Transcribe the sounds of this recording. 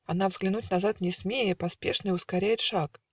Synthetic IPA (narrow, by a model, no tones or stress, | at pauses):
ɐnavzɡlʲɪnutʲnɐzat̪nʲɪsmʲejəpɐspʲe̞ʂnɨʊskɐɾʲæjɪt̪ʂak